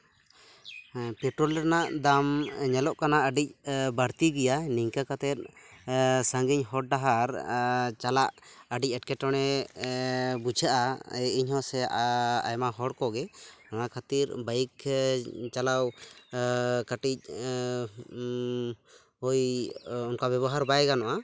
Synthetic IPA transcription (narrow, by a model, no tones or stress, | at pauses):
pɛʈɾɔlɾnaʔd̪amɲɛlɔʔkanaəɖic̚bəɽt̪iɡɛjaniɲkakat̪ɛt̪̚ | saŋɡiɲɦɔɽ̚ɖaɦaɾt͡ʃalaʔəɖic̚ˀɛʈ̚kɛʈɔɽ̃ɛ | bud͡ʒʱaʔaiɲhɔsɛa̰jmaɦɔɽkɔɡɛnanakʰat̪iɾbak | t͡ʃalaw | kaʈic̚ | ɔjɔnkabɛbɔɦaɾbajɡanɔʔa